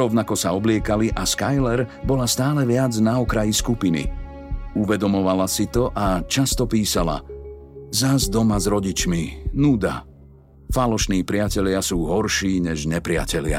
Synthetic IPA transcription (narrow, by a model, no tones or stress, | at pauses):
ɾɔʊnakɔsaɔblɪɛkaliʔaskajlɛɾbɔlast̪aːlɛʋɪad͡znaɔkɾajiskupinḭ | uʋɛd̪ɔmɔʋalasit̪ɔʔat͡ʃast̪ɔpiːsala̰ | zazd̪ɔmazɾɔɟit͡ʃminuːd̪a̰ | falɔʃniːpɾɪacɛʎɪasuːɦɔɾʃiːɲɛʒɲɛpɾɪa̰cɛlɪa̰